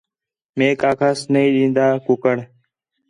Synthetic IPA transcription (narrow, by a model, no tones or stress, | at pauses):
mẽːkaːkʰaːsnəĩːɗĩːnd̪aːkʊkəɳ